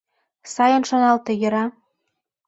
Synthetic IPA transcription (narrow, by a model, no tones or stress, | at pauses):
sɑjɤ̆nʃŏnɑlt̪ɤ̆jɤ̆ɾɑ